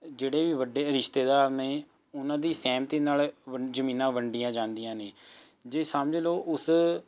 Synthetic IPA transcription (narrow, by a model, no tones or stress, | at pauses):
d͡ʒeːɽeːʋiːʋəɖeːɾɪʃt̪eːd̪aːɾneː | ʊnãːd̪iːsɛːmt̪iːnaːlʋəd͡ʒəmiːnãːʋəɳɖijãːd͡ʒãːnd̪ijãːneː | d͡ʒeːsəmd͡ʒloːʔʊs